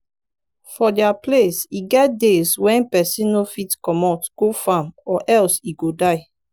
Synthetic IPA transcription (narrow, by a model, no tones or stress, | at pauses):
fɔdɛaplesiɡɛt̚deswɛ̃npɛsĩnofitkɔmatɡ̥ofãmɔʔɛlsiɡodaɪ